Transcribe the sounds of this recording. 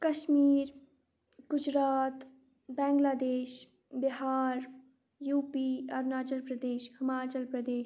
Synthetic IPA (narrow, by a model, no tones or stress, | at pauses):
kɐʃmiːɾ | ɡ̥ʊd͡ʒɾaːt̪ | bɛ̃ːŋɡlaːd̪eːʃ | bɪɦaːɾ | juːpiɔːɾnaːt͡ʃəlpɾɐd̪eːʃhɪmaːt͡ʃəlpɾɐd̪eːʃ